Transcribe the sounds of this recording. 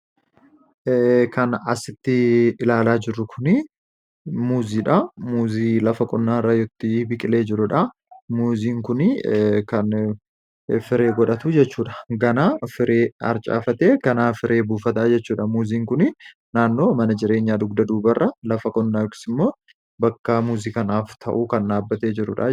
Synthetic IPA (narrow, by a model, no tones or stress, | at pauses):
kʰɐnɐ̰sɪt̪ːɪɪlaːlaːd͡ʒɪrːʊkʰʊnɪ | muːziːᶑɐmuːziːlɐfɐkʼɔnːaːɾajɔt̪ːɪbɪkʼɪle̞ːd͡ʒɪɾʊᶑɐ | muːziːŋkʊnɪkɐn | fɪɾe̞ːɡɔᶑɐt̪ʊd͡ʒɛt͡ʃːuːᶑɐ̥ɡɐnaːfɪɾʔeːɐ̰ɾt͡ʃʼa̰ːfɐt̪eːkɐnaːfɪɾʔe̞ːbuːfɐt̪aːd͡ʒɛt͡ʃːuːᶑɐmuːziːŋkʊnɪ | naːnːo̞ːmɐnɐd͡ʒɪɾe̞ːɲːaːd̪ʊɡd̪ɐd̪uːbɐrːʔɐlɐfɐkʼɔnːaːjɔkɪ̥sɪmːo̞ː | bɐkːɐmuːziːkɐnaːft̪ʰɐ̰ʔuːkɐnʔaːbːɐt̪eːd͡ʒɪɾʊ̰ᶑɐ̰